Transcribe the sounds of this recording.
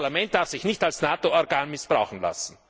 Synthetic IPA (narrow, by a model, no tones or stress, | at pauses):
lamɛnt̚d̥aɐfsɪçnɪçtalsnaːtoɔʁɡaːnmɪsb̥ʁaʊxn̩la̰sn̩